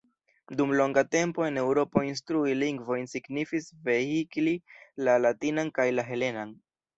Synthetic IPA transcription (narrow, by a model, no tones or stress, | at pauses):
dumlo̞ŋɡate̞mpo̞e̞ne̞wɾo̞po̞instɾuiliŋɡvo̞jnsiɡnifisve̞hiklilalatinankajlaɦe̞le̞nan